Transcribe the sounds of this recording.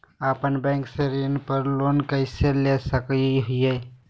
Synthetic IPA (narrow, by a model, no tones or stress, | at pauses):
aːpənbɛ̃ːŋkseɾiːnpəɾloːnkəɪselesəkiɦʊe